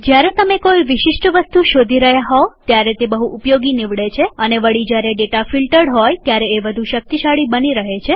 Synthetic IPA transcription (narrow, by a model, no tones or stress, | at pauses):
d͡ʒjaɾet̪əmekojʋɪʃiʃʈʋəst̪uʃod̪ʱiɾəɦjaɦɔot̪jaɾet̪ebəɦuʔupjoɡiniʋɽet͡ʃʰeəneʋəɽid͡ʒjaɾeɖeʈafilʈəɽɦɔjt̪jaɾeːʋəd̪ʱuʃək̚t̪iʃaɭibəniɾəɦet͡ʃʰe